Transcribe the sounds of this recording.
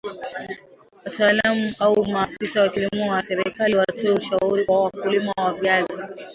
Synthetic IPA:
wataːlamuʔaumaafisawakilimuwasɛɾikaliwatɛuʃauɾikwawakulimawavazi

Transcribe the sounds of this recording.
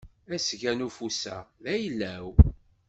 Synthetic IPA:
æsʝænufusæ̰ðæjəlːæw

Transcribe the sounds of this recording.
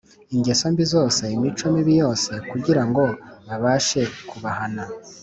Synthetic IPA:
iɲɟe̞so̞mbizo̞ːse̞imit͡ʃo̞miβijo̞ːse̞kuɟiɾaŋɡo̞βaβaːʃe̞kuβahana

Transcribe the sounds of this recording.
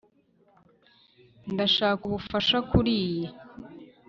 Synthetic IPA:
ndaʃaːkuβufaʃakuɾiːje

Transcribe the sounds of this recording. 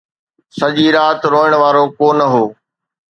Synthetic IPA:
sɐʄiːɾaːt̪ɾoːəɽ̃ʋaːɾokoːnəɦoː

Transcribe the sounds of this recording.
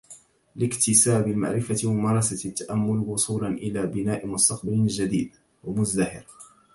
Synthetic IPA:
lɪkt̪ɪsaːbɪlma̰ʕɾɪfamwʊmɑːɾˤɑsat̪ːaʔamːʊlwʊsˤuːlanʔɪlaːbɪnaːʔɪmʊst̪ɑqbald͡ʒad̪ḭːd̪ | wamʊzd̪ahɪɾ

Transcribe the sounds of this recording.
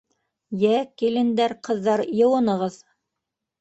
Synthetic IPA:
jækilɘ̆nd̪æɾqɤ̆ðːɑɾjɤ̆wɤ̆nɤ̆ʁɤð

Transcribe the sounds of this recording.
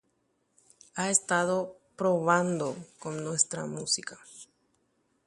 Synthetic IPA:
aest̪aðo̞pɾo̞βand̪okonnwe̞st̪ɾa̰musikḁ

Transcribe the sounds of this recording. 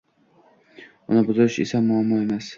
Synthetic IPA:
ʊnɪbʊzʊɾɪʃḛsamʊamːɒe̞mas

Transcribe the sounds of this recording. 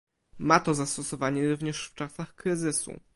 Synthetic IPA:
mat̪ɔzast̪ɔsɔvaɲɛɾuvɲɛʂft͡ʂasaxkɾɘzɘsṵ

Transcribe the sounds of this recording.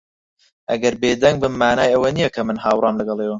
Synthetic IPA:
ʔɐ̰ɡɐɾbeːd̪ɐŋɡbɨmːaːnaːjɐwɐnijɛkʰɐmɨnhaːwrɑːmlɐɡɐlˠeːwɐ

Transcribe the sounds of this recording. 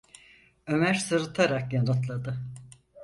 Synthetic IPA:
ø̞mæɾsɯɾɯt̪ʰaɾakjanɯt̪lˠad̪ɯ

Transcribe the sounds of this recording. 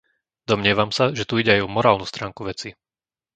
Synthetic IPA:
d̪ɔmɲɪɛʋamsaʒɛt̪uiɟɛajɔmɔɾaːlnust̪ɾaːŋkuʋɛt͡si

